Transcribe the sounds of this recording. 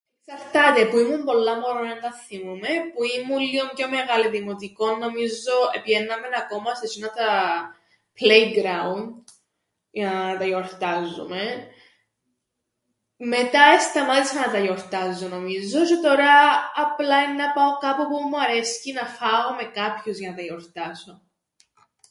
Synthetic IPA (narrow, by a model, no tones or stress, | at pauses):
eksɐɾt̪ɐt̪e̞puimumbo̞lːɐmoɾojɐnt̪ɐθimume̞puimulːiomco̞me̞ɣɐliðimot̪iko̞nːo̞mizo̞epʝenːɐme̞nɐko̞mɐsesinɐt̪ɐ | plejɡɾaund̪ | jɐnɐɐt̪ɐjo̞ɾt̪ɐzːṵme̞ | me̞t̪ɐest̪ɐmɐt̪isɐnɐt̪ɐjo̞ɾt̪ɐzonomizo̞t͡ʃet̪o̞ɾɐːplɐinnɐpɐo̞kɐpopumuɐɾe̞scinɐfɐɣome̞kɐpçuzʝɐnɐt̪ɐjoɾt̪ɐso